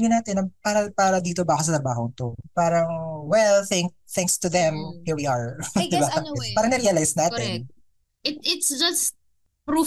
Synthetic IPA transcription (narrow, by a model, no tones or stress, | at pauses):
ɲonaːt̪ɛnɐŋpaːɾɐpaːɾɐd̪iːt̪obaːkos̬ɐt̪ɾɐbaːɦoŋt̪opaːɾɐŋwɛlθɛŋk | θɛ̃ŋkst̪ʊðɛmhiɹwiːɐɹd̪ɪbapaːɾɐŋnɛɾiɐlajsnaːt̪ɛn | ʔɪt̪̚ɪt̪sd͡ʒɐst̪̚ | pɾu